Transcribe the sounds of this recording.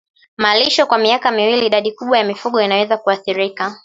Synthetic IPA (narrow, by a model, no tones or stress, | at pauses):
maliʃɔkwamiakamiwiliːɗaɗikuɓwajamifuɠɔinawɛzakuaθiɾika